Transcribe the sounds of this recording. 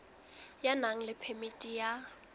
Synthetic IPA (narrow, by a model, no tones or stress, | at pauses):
janaŋ̩lɪpʰɛmitʼija